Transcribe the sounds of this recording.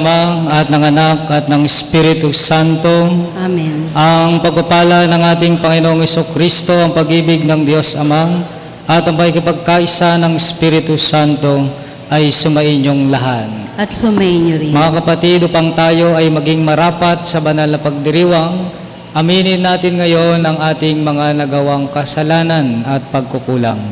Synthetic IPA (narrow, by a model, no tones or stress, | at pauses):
maŋɐt̪̚nɐŋɐnakɐt̪̚nɐŋɪspiɾɪt̪usant̪o̞ | mnʔɐŋpɐɡ̚pɐpaːlɐnɐŋʔaːt̪ɪŋpɐŋɪnoŋhɛsukɾist̪o̞ʔɐŋpɐɡʔiːbɪɡ̚nɐŋd̪jo̞sʔɐmaŋ | ʔɐt̪ɐŋpɐɪkɪpɐɡ̚kaʔɪsanɐŋɪspiɾɪt̪usant̪o̞ | ʔɐjsʊmɐʔɪɲjoŋlɐɦanɐt̪sʊmɐinmɐŋakɐpɐt̪id̪opɐŋt̪aːjo̞ʔɐjmɐɡɪŋmɐɾaːpɐt̪̚sɐbɐnalnɐpɐɡ̚d̪ɪɾiːwɐŋ | ʔɐmiːnɪnːaːt̪ɪnŋɐjo̞nʔɐŋʔaːt̪ɪŋmɐŋanɐɡɐwaŋkɐsɐlaːnɐnɐt̪̚pɐɡ̚kʊkuːlɐ̰ŋ